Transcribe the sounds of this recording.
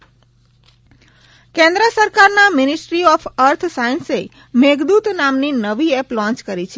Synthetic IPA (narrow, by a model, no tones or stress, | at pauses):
kɛ̃nd̪ɾəsəɾkaɾnamɪnisʈɾiɔfʰəɾt̪ʰsainse | meɡd̪ut̪namninəʋiɛplɔ̃ɲt͡ʃkəɾit͡ʃʰe